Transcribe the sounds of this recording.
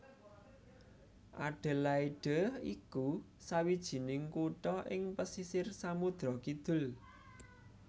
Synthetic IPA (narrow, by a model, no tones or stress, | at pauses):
ʔa̰ɖ̥ə̤laiɖ̥əhḭku | sawid̥ʒ̥i̤nɪŋkuʈɔʔɪŋpəsisɪrsamud̪̥ɾɔkid̪̥ʊ̤l